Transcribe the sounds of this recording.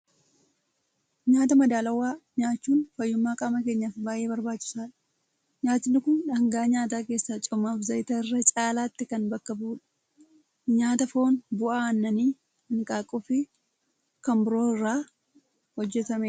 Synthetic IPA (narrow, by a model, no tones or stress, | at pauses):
ɲaːt̪ɐmɐd̪aːlɐwːaːɲaːt͡ʃːuːnfɐjːʊmːaːkʼaːmɐke̞ːɲːɐfɪbaːje̞ːbɐɾbaːt͡ʃːɪ̥saːᶑɐ̥ | ɲaːt̪ɪnːɪkʊnᶑɐŋɡaːɲaːt̪̬aːke̞ːsːat͡ʃʼɔmaːfzɐjɪt̪ɐɪrːɐt͡ʃʼaːlaːt̪ːɪkɐnbɐkːɐbuːᶑɐ̥ | ɲaːt̪ɐfoːnbʊʔaːɐnːɐniː | ɪnkʼaːkʼːʊfɪ | kɐmbɾoːɪrːaː | hɔd͡ʒːɛt̪ɐmɛ